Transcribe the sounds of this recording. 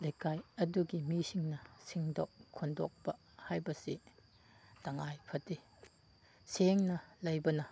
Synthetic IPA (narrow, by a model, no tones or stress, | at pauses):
lejkajɐduɡimisiŋnɐsiŋdɔkkʰːɔndɔ̰k̚pɐ | hajbɐsi | tɐŋajpʰɐti | seŋnɐlɐjbɐnɐ